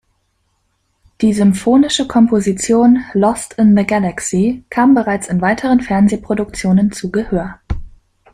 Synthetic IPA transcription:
d̥iːzʏmfoːnɪʃəkʰɔmpozit͡sjoːnlɔstɪnðəɡalaksikʰaːmbəʁaɪt͡sɪnvaɪtʰəʁ̞ənfɛɐnzeːpʁ̥odʊk̚t͡sjoːnənt͡suːɡəhøːɐ

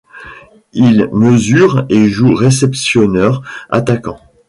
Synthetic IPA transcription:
ilməzyʁeʒuʁes̬ɛpsjɔnœʁa̰t̪akɑ̃

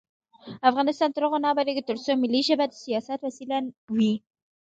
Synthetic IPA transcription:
afʁɑnɪst̪ɑnt̪ɾoʁonɑbaɾeɡət̪ʊɾsomɪlːiʃabad̪ə̥sijɑsat̪wasilanwi

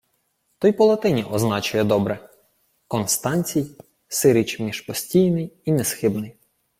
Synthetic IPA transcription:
t̪ɔjpɔlˠɐt̪ɪnʲiʔɔznɑt͡ʃʊjɛd̪ɔbɾɛ | kɔnst̪ɑnʲt͡sʲij | sɪɾɪt͡ʃmʲiʃpɔsʲtʲijnɪjinɛsxɪbnɪj

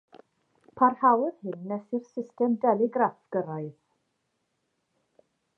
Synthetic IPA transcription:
pʰarhawrhɪnːɛsɨrsɪstɛmdɛlˠɪɡrafɡ̥əɾaɨð

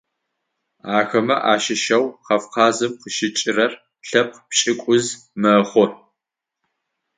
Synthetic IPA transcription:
aːxɐmɐʔaːʃɪʃɐwqɐfqʰɑːzɨmqəʃɪt͡ʃʼɪrɐr | ɬɐp̚pɕʼɪkʷʼʊzmɐχʷɔr

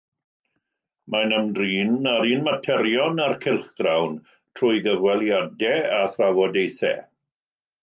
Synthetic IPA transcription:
manəmdriːnaɾiːnmatʰɛɾjɔnarkʰɪlˠχd̥rawn | tʰrʊjɡəvwɛlˠjadɛaθravɔdejθɛ̰

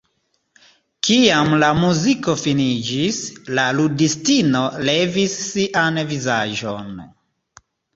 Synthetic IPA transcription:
kiamlamuziko̞finid͡ʒislaludistinole̞visːiʔanvizaʒo̰n

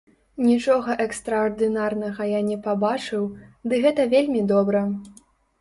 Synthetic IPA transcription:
nʲit͡ʂɔɣɐʔɛkst̪ɾɐɔrd̪ɨnarnɐɣɐjanʲɛpabat͡ʂɨwd̪ɨɣɛt̪ɐvʲelʲmʲid̪ɔbɾɐ

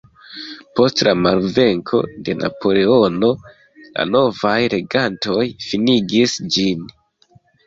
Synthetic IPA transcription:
po̞stlamalve̞ŋkʰo̞̰de̞na̰po̞le̞o̞no̞ | la̰no̞vajɾe̞ɡanto̞jfiniɡisd͡ʒin

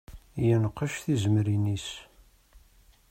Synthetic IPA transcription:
jənəqːəʃθizəmɾinis

